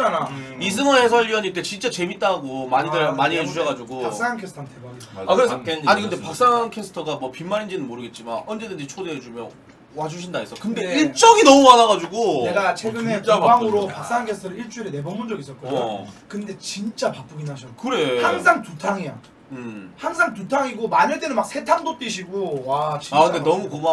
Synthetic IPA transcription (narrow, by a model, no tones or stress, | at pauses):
t͡ɕanaisʰɯŋʌnhe̞sʰʌʎiaɲiɭt͈e̞t͡ɕint͡ɕ͈at͡ɕe̞mit͈aɦɡomaɲidɯmaɲied͡ʑuɕʰʌɡad͡ʑuɡoak̚s͈aŋankʰesʰtʰʌntebaɡiakɯɾesʰaɲikɯndepak̚s͈aŋankʰesʰɯ̥tʰʌɡamwʌpimːaɾind͡ʑinɯnmoɾɯɡe̞t̚t͡ɕ͈imanʌnd͡ʑe̞dɯnd͡ʑit͡ɕʰoded͡ʑumjʌn | wad͡ʑuɕʰindais͈ʌkkɯndeiɭt͡ɕ͈ʌɡinʌmumanaɡad͡ʑuɡone̞ɡat͡ɕʰeɡɯne̞baŋɯɾopak̚s͈aŋankʰesʰɯtʰʌɾɯɭiɭt͡ɕ͈uiɾene̞bʌŋmund͡ʑʌɡis͈ʌt̚k͈okɯnde̞t͡ɕint͡ɕ͈apakp͈uɡinɦaɕʰʌkɯɾehaŋsʰaŋtutʰaŋia | haŋs̬ʰaŋt̬utʰaŋiɡomaɲʌɭt͈e̞nɯnmak̚sʰe̞tʰaŋdot͈iɕʰiɡowat͡ɕiakɯndenʌmukoma